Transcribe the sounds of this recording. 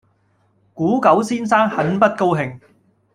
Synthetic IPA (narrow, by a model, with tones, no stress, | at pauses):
kuː˨˥kɐ˨˥wsiː˥nsaː˥ŋhɐ˨˥npɐ˥t̚ko˥wɦɪ˨˩ŋ